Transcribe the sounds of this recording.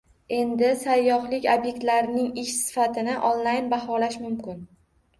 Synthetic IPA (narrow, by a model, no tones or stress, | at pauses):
e̞nd̪ɪsajːɒχlɪkʲobje̞k̚ʲt̪laɾnɪŋɪʃsɪ̥fat̪ʰɪnɪʔonlajnbahɒlaʃmʊmkʰʲɪn